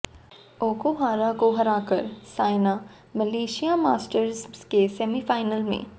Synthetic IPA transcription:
oːkoɦaːɾakoɦɐɾaːkəɾsaːɪna | mɐleːʃijamaːsʈəɾzkesɛːmifaːɪnəlmḛ̃

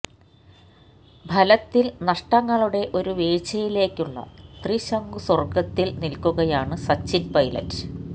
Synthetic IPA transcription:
bʱɐlɐt̪ːilnɐʂʈɐŋːɐɭuɽe̞ʔo̞ɾuʋeːt͡ɕɐjile̞ːkʲːuɭːɐ̰t̪riɕɐŋɡusɐrɡɐt̪ːilnilkuɣɐjaːɳɨsɐt͡ɕːinpɐjlɐ̰t

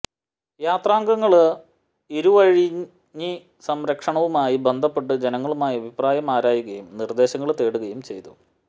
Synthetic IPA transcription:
jaːt̪raːŋɡɐŋːɐɭ | iɾuʋɐɻiɲː | i | sɐmɾɐkʂɐɳɐʋumaːjibe̞nd̪ʱɐpːe̞ʈːɨd͡ʑenɐŋːɐɭumaːjiɐbʱipraːjɐmaːɾaːjuɣɐjumnird̪e̞ːɕɐŋːɐɭt̪e̞ːɽuɣɐjumt͡ɕe̞̰jt̪u

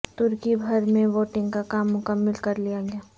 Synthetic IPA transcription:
t̪ʊɾkibʱɐɾmẽʋoːʈɪ̃ŋɡkakaːmːʊkəmːəlkɐɾlijaɡejaː

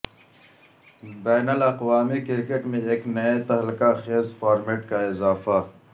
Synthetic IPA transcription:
bɛːnəlɐqwaːmikɪɾkeʈmẽeːknɐjet̪ɐɦlkaxeːzfaːɾmeːʈkaɪzaːfa

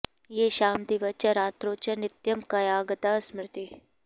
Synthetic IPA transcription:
jeːʃaːmd̪iʋɐt͡ʃɐɾaːt̪ɾoːt͡ʃɐnɪt̪jɐmkɐjaːɡɐt̪aːsmɾɪt̪i

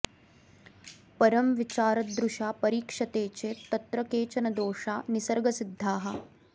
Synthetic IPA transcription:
pɐɾɐmʋit͡ʃaːɾɐd̪ɾuʃaːpɐɾiːkʂɐt̪eːt͡ʃeːt̪ɐt̪ɾɐkeːt͡ʃɐnɐd̪oːʂaːnisɐɾɡɐsid̪ʱːaːɦɐ̆

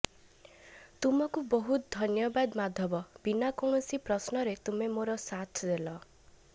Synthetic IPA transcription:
t̪umɔkubɔɦut̪̚d̪ʱɔnjɔbad̪mad̪ʱɔbɔbinakɔ̃ɔsipɾɔsnɔɾet̪umemoɾɔsat̪ʰd̪elɔ

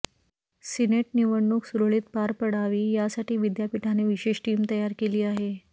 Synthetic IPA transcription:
sineʈniʋəɳːuksuɾoɭiːt̪̚paɾpəɽ̤aʋiːjasaʈiːʋid̪japiʈʰaneʋiɕeɕʈiːmt̪əjaɾkeliːaɦe

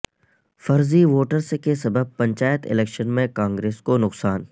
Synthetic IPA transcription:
fɐɾziʋoːʈəɾskesɐbəb̚pɐ̃ɲt͡ʃaːjət̪ɪ̰leːkʃənmẽkãːŋɡɾeːskonʊqsaːn

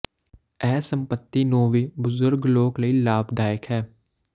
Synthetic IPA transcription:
ɛːsə̃mpət̪ːinoːʋibʊzʊɾɡloːkləilaːbd̪aːɪkɦɛː

